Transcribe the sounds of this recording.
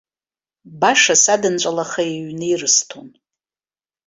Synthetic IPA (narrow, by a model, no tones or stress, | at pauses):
baʂasadɨnt͡ʃʷʼalaχaiɥnɨirɨstʰon